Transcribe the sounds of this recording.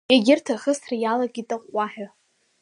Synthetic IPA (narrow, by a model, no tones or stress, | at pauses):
aɡʲɪrtʰaχəsrajalaɡʲitʼaqʷʼːaħᶣa